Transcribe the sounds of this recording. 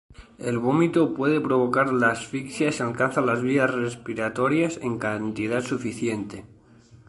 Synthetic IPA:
e̞lβomit̪opwe̞ð̞e̞pɾo̞β̞o̞kaɾlasfiksjasalkanθalazβiasrespiɾat̪o̞ɾjase̞ŋkant̪ið̞at̪sufiθje̞nt̪e̞

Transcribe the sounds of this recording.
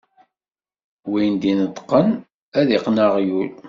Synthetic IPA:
wijnd̪inət̪ˤːqːən | æðiqnaʁjul

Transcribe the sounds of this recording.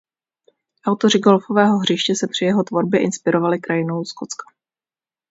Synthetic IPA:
ʔawt̪o̞rɪɡo̞lfo̞vɛːɦo̞ɦrɪʃcɛsɛpr̝̥ɪjɛɦo̞t̪vo̞ɾbjɛʔɪnspɪɾo̞valɪkɾajɪno̞wsko̞t͡skḁ

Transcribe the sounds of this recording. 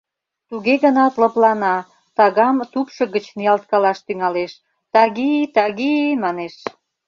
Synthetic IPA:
t̪uɣeɣənɑt̪lə̆plɑnɑ | t̪ɑɣɑmt̪upʃɤ̆ɣət͡ɕniɑlt̪̚kɑlɑʃt̪yŋɑleʃ | t̪ɑɣit̪ɑɣimɑneʃ

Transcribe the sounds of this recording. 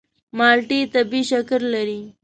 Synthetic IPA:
mɑlʈit̪abiʃakɾlaɾi

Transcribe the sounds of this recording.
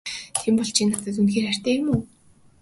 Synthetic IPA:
t̪ʰempɔɮt͡ɕʰiːknat̪ə̆t̪unxeːrær̥ʲt̪æːjʊmuː

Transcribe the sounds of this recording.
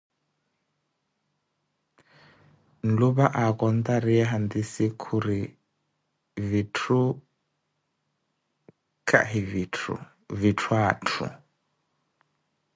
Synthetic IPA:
n̩lubaʔakʼɔn̩t̪aɾiɛɦand̪isɪkʰuɾi | vitʰu | kʼa̰ɦivitʰṵ | vitʰwaːtʰṵ

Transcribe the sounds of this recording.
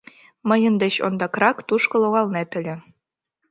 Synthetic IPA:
mɤ̆jɤ̆nd̪ɘ̆ɕo̰nd̪ɑkrɑkt̪uʃkɤ̆lˠoɣɑlˠnet̪ɘ̆lʲɘ̆

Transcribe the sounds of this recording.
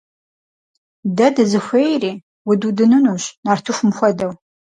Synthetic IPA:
dɐdɨzɨxʷejriː | wʊdudɨnɨnuːɕnaːrtʰɨxʷʊmxʷɔdɐw

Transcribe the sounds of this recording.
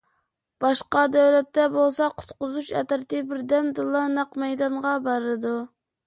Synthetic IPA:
b̥ɑʃqɑd̪ɛwlɛt̪ːɛbolˠsɑqʰʊ̥t̪qʊzuʃɛ̰t̪ɾt̪ɪbɪɾd̪ɛmd̪ɨlˠːɑnɑqmɛjd̪ɑnʁɑbɑɾɨlˠɨd̪u

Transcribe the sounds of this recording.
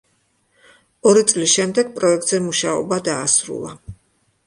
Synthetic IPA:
ɔɾit̪sʼlisʃɛmd̪ɛɡ̚pʼɾɔɛk̚t̪ʼzɛmuʃaɔ̰bad̪aːsɾṵlˠa

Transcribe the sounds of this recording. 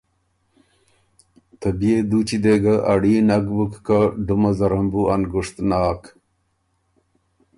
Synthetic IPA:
t̪ɐbied̪uːt͡ɕid̪eɡɐʔɐɽiːnɐɡbukːaɖumɐzɐɾɐmbuɐnɡuʂt̪naːk

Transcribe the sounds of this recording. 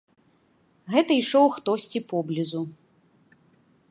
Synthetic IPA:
ɣɛt̪ɐiʂɔwxt̪ɔsʲt͡sʲipɔblʲizu

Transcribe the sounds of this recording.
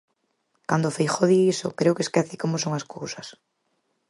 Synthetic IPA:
kand̪ofejxoðiisokɾewkeskɛθikomosoŋaskowsɐs

